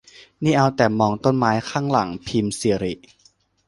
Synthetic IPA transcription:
niː˥˩ʔa˧wt̪ɛː˨˩mɔː˧ŋt̪o˥˩˨nmaː˦˥jkʰaː˥˩ŋla˩˦ŋpʰiː˧msi˧əɾi˨˩ʔ

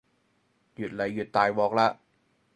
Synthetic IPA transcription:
ju˨˩t̪̚la˨˩˦jːu˨˩t̪ːaː˨˩jwɔː˨˩k̚la˧˥ʔ

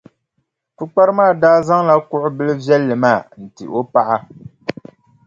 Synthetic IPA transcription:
fɨ˦k͡pa˦ɾɨ˦maː˦˨daː˦za˦ŋla˦kʊ˦ʔʊ˦bɨ˦lɨ˦vjɛ˦lːɨ˨maː˦˨n̩˨tɨ̰˨ʔo˦pa˦ʔa˦

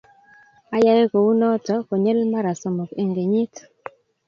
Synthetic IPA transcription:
a˦ja˦je˦ko˨wu˦nɔ˦tɔ˦kɔ˨ɲɛ˦lma˦ɾa˨sɔ˨mɔ˨ke˨ŋɡe˨ɲi˦t

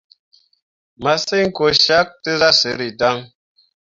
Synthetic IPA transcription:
ma˨se˦ŋ̩˦ko˨ʃa˦k̚tə˦za˦sə˨˦ɾi˨ta˦ŋ

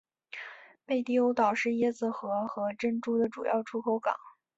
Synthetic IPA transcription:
pe˥˧ɪt̪i˥˩o˧˥ʊt̪ɑ˨˩ʊʂɻ̩˥˧jɛ˥˩d͡zɹ̩˨˩xɤ˧˥xɤ˧˥ʈ͡ʂə˥nŋʈ͡ʂu˥˩d̪ə˩ʈ͡ʂu˨˩jɑ̰˥˩ʊʈ͡ʂʰu˥kʰo˧˥ʊkɑ̰˨˩˦ŋ

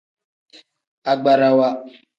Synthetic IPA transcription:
a˨ɡ͡ba˨ɾa˨wa˦

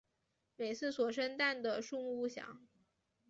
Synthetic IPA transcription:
me˨˩ɪt͡sʰɹ̩˥˩swɔ˨˩ʂə˥nt̪a˥˩nd̪ə˩ʂu˥˧mu˥˧u˥˩ɕjɑ̰˨˧˥ŋ

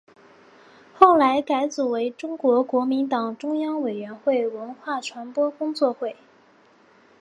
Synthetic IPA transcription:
xo˥˩ʊla˧˥ɪka˧˥ɪt͡su˨˩we˧˥ɪʈ͡ʂʊ˥ŋkwɔ˧˥kwɔ˧˥mi˧˥nt̪ɑ˨˩ŋʈ͡ʂʊ˥ŋjɑ˥ŋwe˨˩ɪɥɛ˧˥nxwe˥˩ɪwə˧˥nxwa˥˩ʈ͡ʂʰwa˧˥npwɔ˥kʊ˥ŋt͡swɔ˥˧xwe˥˩ɪ

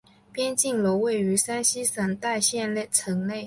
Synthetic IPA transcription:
pjɛ˥nt͡ɕi˥˩ŋlɔ˧˥ʊwe˥˩ɪy˧˥sa˥nɕi˥sa˧˩nt̪a˥˧ɪɕjɛ˥˧nlt͡sʰɤ˧˥ŋle˥˩ɪ

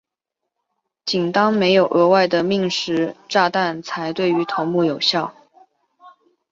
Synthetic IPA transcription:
t͡ɕi˨˩nt̪ɑ˥ŋme˧˥ɪjo˨˩ʊʔɤ˧˥wa˥˩ɪd̪ə˩mi˥˩ŋʂɻ̩˧˥ʈ͡ʂa˥˧t̪a˥˩nt͡sʰa˧˥ɪt̪we˥˩ɪy˧˥t̪ʰo˧˥ŋmu˥˩jo˨˩ʊɕjɑ˥˩ʊ

